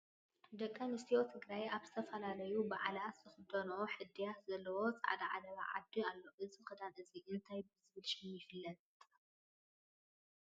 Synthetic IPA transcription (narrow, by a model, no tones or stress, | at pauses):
d̪ɐkʼːanɨst̪ʰijot̪ʰɨɡɾajabzɨt̪ʰɐfɐlalɐjubɨʕalazɨxɨd̪ɐnoħɨd̪ːijat̪zɐlːɐwo̞t͡sʼa̰ʕa̰d̪aʕa̰d̪ɐβa̰ʕa̰d̪ualːoʔɨzixɨd̪anɨziʔɨnt̪ʰajbɨzɨβɨlʃijɪfɨlːɐt̪̚ʼ